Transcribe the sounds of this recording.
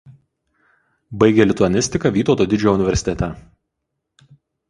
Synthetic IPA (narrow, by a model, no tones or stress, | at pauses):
bɐɪɡʲɛlʲɪt̪ʊɐnʲɪsʲt̪ʲɪkɐˑʋʲiːt̪oːt̪oːd̪ʲɪd͡ʒʲoɛʊnʲɪʋʲɛɾʲsʲɪt̪ʲɛt̪ʲɛ